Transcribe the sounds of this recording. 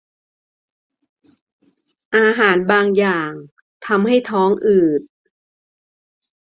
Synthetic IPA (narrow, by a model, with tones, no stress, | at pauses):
ʔaː˧ɦaː˩˦nbaː˧ŋjaː˨˩ŋ | t̪ʰa˧mha˥˩jt̪ʰɔː˦˥ŋʔɯː˨˩t̪̚